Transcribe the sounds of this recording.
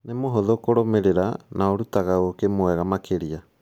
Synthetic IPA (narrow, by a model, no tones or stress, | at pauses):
nemoɦoðokoɾomeɾeɾanaoɾutaɣaokemwɛɣamakʰeɾia